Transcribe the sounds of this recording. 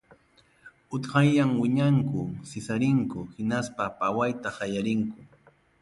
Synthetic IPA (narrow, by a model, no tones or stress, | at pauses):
ʊt̪qɑjːaŋwɪɲaŋkʊsɪsaɾɪŋkʊhɪnaspapawajt̪ahɑjaɾɪŋkʊ